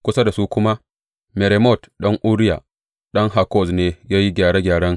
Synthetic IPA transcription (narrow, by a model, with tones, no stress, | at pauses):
kʷʊ˦sa˦da˨su˦kʷʊ˦ma˦ | me˨ɾe˨mɔ˦˨tɗɐ˦ŋʔu˦ɾɪ˦ja˨ | ɗɐ˦ŋɦa˨kɔ˦˨sneː˦jaː˦ji˦ɡʲaː˨ɽe˦ɡʲaː˨ɽɐ˦ŋ